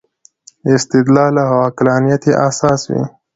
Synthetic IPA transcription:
ɪst̪ɪd̪lɑːlahawɑːkɪlɑːnijat̪iʔasɑːswḭ

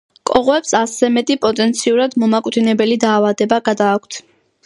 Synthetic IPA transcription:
kʼɔʁɔɛpsasɛmɛt̪ʼipʼɔt̪ʼɛnt̪sʰiuɾad̪mɔmakʼwd̪inɛbɛlid̪aːvad̪ɛbaɡad̪aːkʷʰt̪ʰ

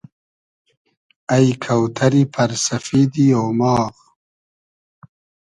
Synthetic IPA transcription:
ajkʰawt̪ʰɐɾipʰɐɾsɐfid̪ioːmɑːɣ

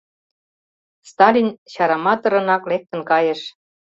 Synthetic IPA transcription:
st̪ɑlʲinɕɑɾɑmɑt̪ɤ̆ɾɤ̆nɑklek̚t̪ə̆nkɑjə̆ʃ

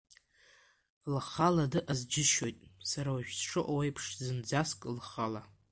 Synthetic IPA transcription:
lχaladɨʔazd͡ʒɪʃo̞jtʼsaɾawaʒᶣsʂɨʔowejpʰʂzɨnd͡zaskʼlχala

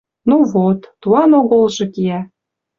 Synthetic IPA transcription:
nuvot̪ːuɑnoɣolʒɤ̆kiæ

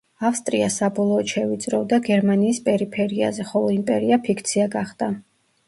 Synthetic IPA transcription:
afst̪ʼɾiasabɔlˠɔːt̪ʃɛvit̪sʼɾɔvd̪aɡɛɾmaniːspʼɛɾipʰɛɾia̰zɛχɔlˠɔimpʼɛɾiapʰikʰt̪sʰiaɡaχd̪̥a

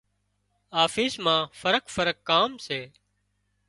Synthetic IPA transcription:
aːfiːsmãːfəɾəkfəɾəkːaːmseː

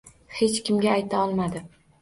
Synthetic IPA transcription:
he̞t͡ʃkʲɪmɡʲaːjt̪ʰaɒlˠmad̪ɪ

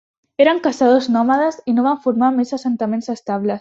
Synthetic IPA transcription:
eɾaŋkasaðoznɔmaðasinoβaɱfuɾmamezasent̪amẽnzest̪aβles

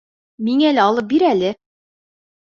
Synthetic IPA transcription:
miŋælɘɑlˠɤp̚biɾælɘ

